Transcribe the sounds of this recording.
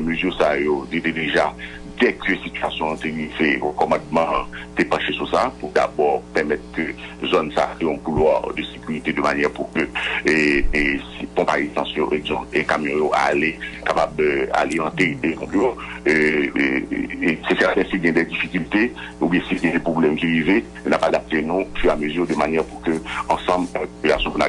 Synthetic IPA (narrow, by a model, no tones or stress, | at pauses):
møzyʁsajoded̪ed̪eʒa | d̪ɛkʰøsityasjɔ̃t̪eʁiveʁəkɔmɑ̃dmɑ̃t̪epɑ̃ʃesusapuʁd̪a̰bɔʁpɛʁmɛt̪̚køzɔnsa̰t̪eɔ̃kulwaʁd̪əsekyʁit̪ed̪əmanjɛʁpukø | esipɔ̃pajesɑ̃sjoʔeɡzɔ̃pekamjɔ̃joʔa̰lekapaba̰liɑ̃t̪ed̪enɔ̃pjo | ø | sesɛʁdɛ̃silɡjɛ̃d̪ɛd̪ifikylt̪e | ubjɛ̃silɡjɛ̃d̪ɛpχoblɛmkiʁive | napad̪ap̚t̪enũfyʁaməzyʁd̪əmanjɛʁpuʁkøɑ̃sɑ̃blɛ̃popylasjɔ̃kuna̰